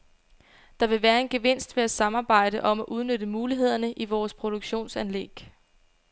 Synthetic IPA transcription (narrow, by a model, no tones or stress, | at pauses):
d̥ɑ̈ʋe̝ʋæːɐe̝nɡ̥e̝ʋe̝n̰sd̥ʋe̝æsɑ̈mɑ̈ːb̥ɑ̈ɪ̰ɾ̥əʔɒ̽mæʔuð̞ˠnød̥əmuːliɦe̝ð̞̰ˠɐnəʔiʋɒːspʰʁo̝d̥oɡ̥ɕo̝̰ːnsænlḛɡ̥